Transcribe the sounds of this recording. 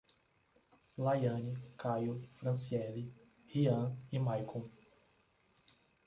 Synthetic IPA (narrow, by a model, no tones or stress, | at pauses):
lajɐ̃nikajofɾɐ̃siɛli | hiɐ̃imajkʰõ